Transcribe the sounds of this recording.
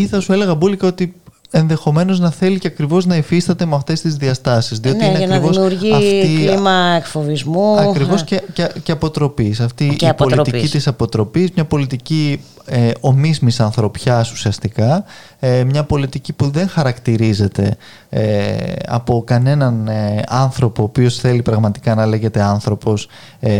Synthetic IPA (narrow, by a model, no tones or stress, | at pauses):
iθɐsue̞le̞ɣɐbulikɐo̞t̪i | e̞nðe̞xo̞me̞no̞znɐθe̞liceɐkɾivo̞znɐifist̪ɐt̪e̞meɐft̪e̞st̪izðiɐst̪ɐsizðio̞niiineɐnɾɾivosuɾʝiɐfiimɐekfovizmuɐkɾio̞scecceɐpo̞t̪ɾo̞pisɐft̪iipolit̪icit̪isɐpo̞t̪ɾo̞pizmɲɐpo̞lit̪ici | eo̞mizmisɐnθɾo̞pçɐsu̥siɐst̪ikɐ | emɲɐpo̞lit̪icipuðe̞ŋxɐɾɐkt̪iɾize̞t̪e̞̰ | ḛɐ̰po̞kɐne̞nɐneɐnθɾo̞po̞ːpio̞sθe̞lipɾɐɣmɐt̪i̥kɐnɐle̞ʝe̞t̪e̞ɐnθɾo̞po̞s